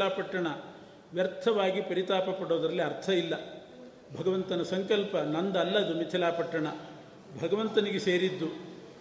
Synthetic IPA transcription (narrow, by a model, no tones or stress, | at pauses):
aːpɐʈːɐɳɐ | ʋjɐɾt̪ʰɐʋaːɡipɐɾit̪aːpɐpɐɽoːd̪ɐɾɐlːiɐɾt̪ʰɐilːɐ | bʱɐɡɐʋɐnt̪ɐnɐsɐŋkɐlpɐnɐnd̪ɐlːɐd̪umit̪ʰilaːpɐʈːɐɳɐ | bʱɐɡɐʋɐnt̪ɐniɡese̞ːɾid̪ːu